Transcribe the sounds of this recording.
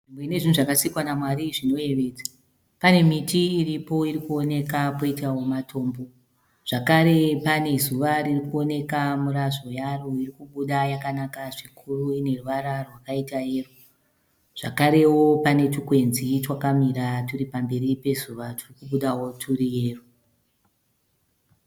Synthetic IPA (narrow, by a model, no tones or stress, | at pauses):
ʐimbweine̞ʐinuʐakasikwanamwaɾiʐino̞e̞ʋe̞ːd͡zḁ | pane̞mitiːɾipo̞iɾikuo̞ne̞kako̞itawo̞matʰo̞ːmbo̞ | ʐ̥akaɾe̞pane̞zuʋaririkuo̞ne̞kamuɾaʐo̞jaroirikuɓuɗajakanakaʐikʰuruine̞ruʋaɾarwakaitaje̞ːro | ʐ̥akaɾe̞wo̞pane̞tukwe̞nzit͡ʃwakamiɾatuɾipambe̞ɾipe̞zuʋaturikuɓuɗawo̞tʰuɾije̞ːru